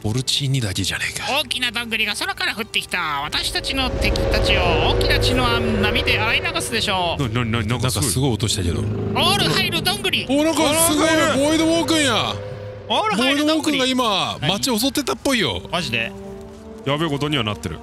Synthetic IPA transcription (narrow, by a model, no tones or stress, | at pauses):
b̥o̞ɾɯ̟t͡ɕiːɲ̟ːid̪akʲeʑaneikḁoːkʲinad̪ãŋɡɯ̟ɾʲiɡasoɾokaɾaɸɯ̟t̪ːe̞kʲi̥t̪aβat̪aɕi̥t̪at͡ɕino̞t̪e̞kʲi̥t̪at͡ɕiooːkʲinat͡ɕinoannamʲid̪eaɾainaɡasɨd̪e̞ɕo̞ːnanaɲinainãŋk̪skasɨɡo̞iot̪o̞ɕi̥t̪ake̞̰d̪o̞̰oːɾɯ̟haiɾɯd̪õŋɡɯɾʲioːnãŋkasɨɡoibo̞id̪oβoːkɯ̟̃ɰ̃ja | oːɾɯboid̪oβoːkɯ̟̃ŋɡaimammat͡ɕio̞s̬o̞t̪ːe̞t̪apːo̞ijo̞̰maʑid̪e | jaβeɡo̞t̪o̞ɲ̟iβanat̪ːeɾɯ̰